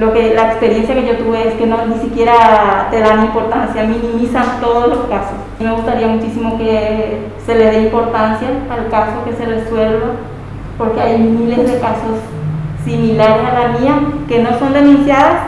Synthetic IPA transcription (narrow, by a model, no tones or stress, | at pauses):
lokelaekspeɾjensjake̞ʝot̪uβeeskenonisikje̞ɾat̪eðanimpoɾt̪ansjaminĩmisant̪oðosloskasos | meɣust̪aɾiamut͡ʃisimoke | seleðeimpo̞ɾt̪ansjaːlkasoke̞sereswelβa | poɾkeajmilezðekasosː | imilaɾesalamiakeno̞sond̪enũnsjaðas